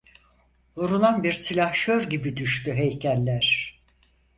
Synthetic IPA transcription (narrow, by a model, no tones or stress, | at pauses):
uɾunˠanbiɾsilʲahʃøɾɟibid̪yʃt̪yɦejcʰælʲlʲæɾ̥